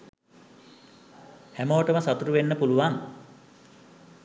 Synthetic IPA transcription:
hæmoːʈəməsat̪uɾuʋenːəpuluʋaŋ

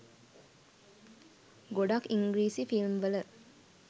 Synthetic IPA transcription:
ɡoɖakiŋɡɾiːsifilmʋələ

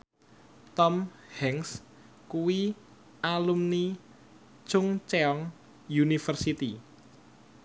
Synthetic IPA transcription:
t̪ɔm | hɛŋs | kuwi | ʔalumni̥ | t͡ʃʊŋt͡ʃeɔŋ | junifərsit̪i

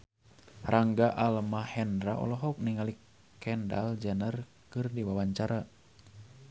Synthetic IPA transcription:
rʔaŋɡaʔalmahɛndɾaʔɔ̰lɔɦɔk̚niŋali | kɛnda̰ld͡ʒənər | kɨrdiwawaɲt͡ʃaɾa

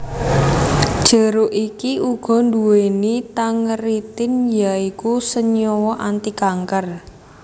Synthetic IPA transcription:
d̥ʒ̥ə̤ɾoʔikiuɡ̥ɔ̤nd̪uwenit̪aŋəɾit̪ɪnjaikusəɲɔwɔʔant̪ikaŋkər

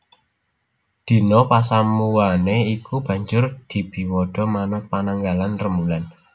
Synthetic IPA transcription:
d̪̥i̤nɔpasamuwaneikub̥ä̤ɲd͡ʒʊrd̪̥i̤b̥i̤wɔɖ̥ɔ̤manʊpanaŋɡalanrəmulan

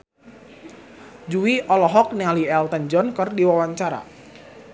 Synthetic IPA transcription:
d͡ʒuwiʔɔlɔɦɔk̚nialiɛlt̪ənd͡ʒɔnkɨrdiwawaɲt͡ʃaɾa̰

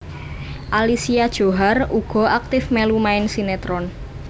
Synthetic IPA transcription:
ʔalisiad̥ʒ̥o̤ɦaruɡ̥ɔ̤ʔak̚t̪ɪfmelumaɪnsinet̪ɾɔn

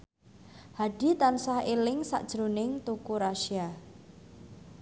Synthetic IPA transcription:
haɖ̥i̤t̪ansahelɪŋsa̰ʔd̥ʒ̥ɾonɪŋt̪ukuɾaʃia

